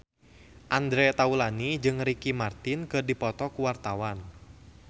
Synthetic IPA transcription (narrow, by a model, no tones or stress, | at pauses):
ʔand̪ɾɛt̪aulanid͡ʒɨŋɾikimart̪inkɨrdipɔt̪ɔkuwart̪awan